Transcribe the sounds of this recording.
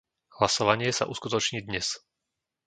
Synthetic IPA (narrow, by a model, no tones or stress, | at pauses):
ɦlasɔʋaɲɪɛsa̰ʔuskut̪ɔt͡ʃɲiːd̪ɲɛs